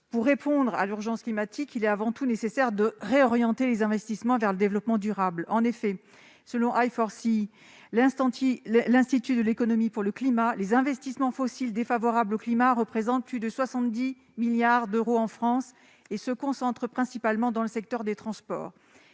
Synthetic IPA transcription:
puʁːepɔ̃d̪ʁa̰lyʁʒɑ̃sklimat̪ʰikilɛt̪avɑ̃t̪unesesɛʁd̪əʁeɔʁjɑ̃t̪elezɛ̃vɛst̪ismɑ̃vɛʁləd̪evlɔpmɑ̃d̪yʁablɑ̰̃nefɛ | səlɔ̃ʔajfɔʁsi | lɛ̃st̪ɑ̃t̪ilɛ̃st̪it̪yd̪əlekɔnɔmipuʁləklimalezɛ̃vɛst̪ismɑ̃fɔsild̪efavɔʁabloklimaʁəpχezɑ̃t̪̚plyd̪əswasɑ̃t̪̚d̪i | miljaʁd̪øʁoɑ̃fχɑ̃s | esəkɔ̃sɑ̃t̪χəpχɛ̃sipalmɑ̃d̪ɑ̃ləsɛk̚t̪œʁd̪et̪χɑ̃spɔ̰ːʁ

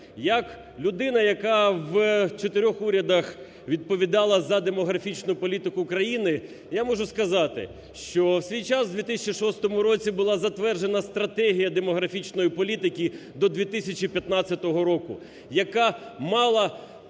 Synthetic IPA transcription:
jɐk | lʲʊd̪ɪnɐjɐkɑʋt͡ʃet̪ɪɾʲɔxuɾʲɐd̪ɐx | ʋʲid̪̚pɔʋʲid̪ɑlˠɐzɐd̪e̞mɔɦɾɐfʲit͡ʃnʊpɔlʲit̪ɪkʊːkɾɐjinɪ | jamɔʒʊskɐzɑt̪ɪ̰ | ʃt͡ʃɔwsʲʋʲijt͡ʃasd̪ʋʲit̪ɪsʲɐt͡ʃiʃɔst̪ɔmʊɾɔt͡sʲibʊlˠɑzɐt̪ʋɛrʒe̞nɐst̪ɾɐt̪ɛɦʲijɐd̪emɔɦɾɐfʲit͡ʃnɔjipɔlʲit̪ɪkʲid̪ɔd̪ʲʋʲit̪ɪsʲɐt͡ʃipʲjɐt̪nɑt͡sʲɐt̪ɔɦɔɾɔkʊ̰ | jɐkɑmɑlˠɐ

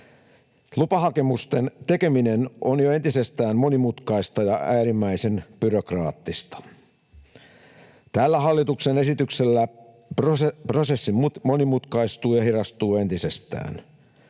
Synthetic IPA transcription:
lupɑhɑke̞must̪ent̪e̞ke̞minenʔonjoent̪isest̪æːmmo̞nimut̪kɑist̪ɑjɑæːɾimːæise̞nb̥yrokrɑ̰ːt̪ːist̪ɑ̥ | t̪æːlːæɦɑlːit̪uksene̞sit̪ykselːæ | prprosesːimmo̞nimut̪kɑist̪uːjɑhirɑst̪uːe̞nt̪isest̪æ̰ːn

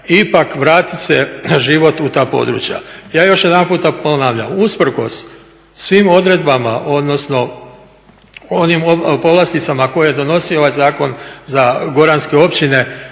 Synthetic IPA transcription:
ipakʋɾaːt̪ise̞ʒiʋo̞t̪ut̪aːpo̞̰d̪ɾṵːt͡ʃja̰jaːjo̞ʃje̞d̪anpuːt̪aponaːʋʎa̰muspr̩ko̞̰sː | ʋiːmo̞d̪ɾe̞d̪bama̰ʔo̞d̪no̞sno̞ | onimopo̞ʋlast̪it̪samako̞jejed̪o̞no̞sio̞ʋajzaːko̞nzaɡo̞ɾanske̞o̞pt͡ɕine̞

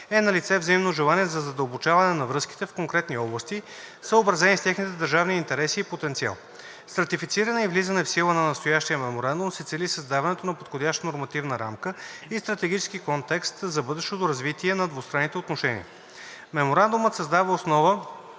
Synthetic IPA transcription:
ɛnɐlit̪sɛvzɐimnoʒɛlˠaniɛzɐzɐd̪əlˠbot͡ʃavɐnɛnɐvɾɤski̥t̪ɛfkoŋkɾɛt̪niɔblˠəst̪i | səobɾɐzɛnist̪ʲaxnit̪ɛd̪əɾʒavniiːnt̪ɛɾɛsiːpot̪ɛnt̪sia̰lˠ | sɾɐt̪ifit̪siɾənɛivlizənɛfsilˠənɐnɐst̪ojaʃt̪ijəmɛmoɾand̪ʊmsɛt̪sɛlisəzd̪avɐnɛt̪onɐpot̪xodʲjaʃt̪ənoɾmɐt̪ivnəɾa̰mkəist̪ɾɐt̪ɛɡʲit͡ʃɛ̥sk̟ikɔnt̪ɛkst̪zɐbɤd̪ɛʃt̪ot̪oɾɐzvit̪iɛnɐd̪vost̪ɾanːit̪ɛot̪noʃɛnḭə̰ | mɛmoɾand̪umət̪sɐzd̪avəosnɔvə

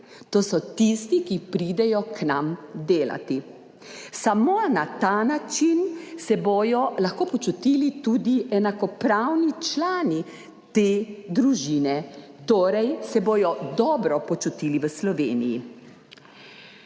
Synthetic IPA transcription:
t̪oːsɔt̪ist̪ikipɾid̪ɛjɔknamd̪eːla̰t̪i | samonat̪aːnat͡ʃinsɛbojɔlaxkoːpɔt͡ʃut̪ilit̪uːd̪iɛnakɔpɾawnit͡ʃlaːni | t̪eːd̪ɾuʒiːnɛ | t̪oːɾɛjsɛboːjɔd̪ɔːbɾɔpɔt͡ʃut̪iliʋəslɔʋeːnijḭ

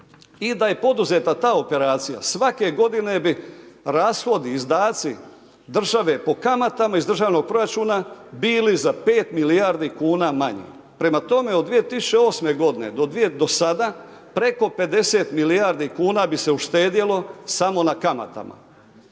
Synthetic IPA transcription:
id̪aje̞po̞d̪uze̞t̪at̪aːo̞pe̞ɾaːt̪sija̰sʋake̞ɡo̞d̪ine̞biɾaːsxo̞d̪iːzd̪aːt̪si | d̪r̩ʒaʋe̞po̞kamat̪amaizd̪ɾr̩ʒaːʋno̞ɡ̚pɾo̞ɾat͡ʃuːnabiːlizape̞ːt̪milijaːɾd̪ikuːnaːmaɲḛ | pɾe̞mat̪o̞me̞od̪ːʋije̞t̪isu̥t͡ʃe̞o̞ːsme̞ɡo̞d̪ined̪od̪ʋed̪o̞sad̪aː | pɾe̞ko̞pe̞d̪e̞se̞ːt̪milijaɾd̪ikuːnaːbise̞uʃt̪e̞ːd̪jelˠo̞samo̞nakama̰t̪a̰ma̰

